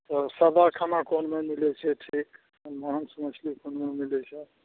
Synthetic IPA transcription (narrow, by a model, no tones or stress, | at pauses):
t̪ɔsəd̪akʰanakonmemilɛt͡ʃʰɛʈʰik | nmansmət͡ʃʰlikonmemilɛt͡ʃʰɛ